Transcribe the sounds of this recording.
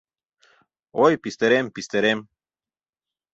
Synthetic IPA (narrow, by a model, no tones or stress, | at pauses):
ojpist̪eɾempist̪eɾem